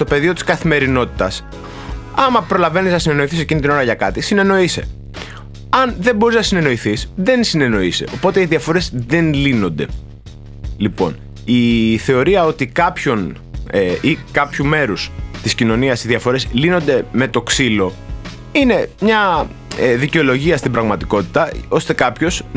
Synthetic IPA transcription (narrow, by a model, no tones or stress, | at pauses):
st̪ope̞ðio̞t̪i̥skɐθime̞ɾino̞t̪i̥t̪ɐs | ɐmɐpɾo̞lɐveniznɐsine̞no̞iθise̞cinit̪ino̞ɾɐʝɐkɐt̪isine̞no̞ise̞̰ | ɐnðe̞mbo̞ɾiznɐsine̞no̞iθisðe̞nsine̞no̞ise̞̰ʔopo̞t̪e̞iðiɐfo̞ɾe̞zðe̞nlino̞nd̪e̞̰ | lipo̞̰n | iθe̞o̞ɾiɐo̞t̪ikɐpço̞n | eikɐpçume̞ɾust̪iscino̞niɐsiðiɐfo̞ɾe̞slino̞nd̪e̞me̞t̪o̞ksilo̞ | ine̞mɲɐ | eðiceo̞lo̞ʝiɐst̪imbɾɐɣmɐt̪iko̞t̪i̥t̪ɐo̞st̪e̞kɐpço̞z